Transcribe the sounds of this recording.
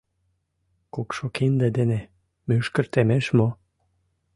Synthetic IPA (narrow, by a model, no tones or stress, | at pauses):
kokʃokind̪ĕd̪ene | myʃkə̆rt̪emeʃmo